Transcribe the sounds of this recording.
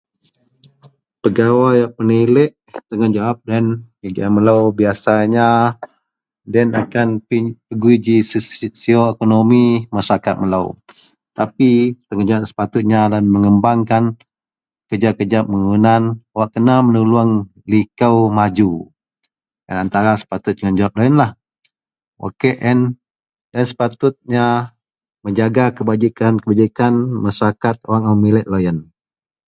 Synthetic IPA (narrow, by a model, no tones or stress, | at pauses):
pəɡawajapənilɛʔ | t̪əŋand͡ʒawap̚dan | əd͡ʒaməlawbiasaɲa | danakanpipəɡuid͡ʒissioekonomimasəɾakat̪̚məla̰w | t̪apit̪əŋand͡ʒawat̪̚sə̥pat̪ʊt̪̚ɲalanməŋəmbaŋkan | kəd͡ʒakəd͡ʒaməŋunanwaʔkənamənuluəŋ | likəwmad͡ʒu | ja̰nant̪aɾasə̥pat̪ʊt̪̚d͡ʒəŋand͡ʒawap̚lajənlah | wʔa̰keʔɛn | dansə̥pat̪ʊt̪̚ɲa | məɲd͡ʒaɡakəbad͡ʒikankəbad͡ʒikanmasakat̪̚owaŋamilɛt̪̚lojən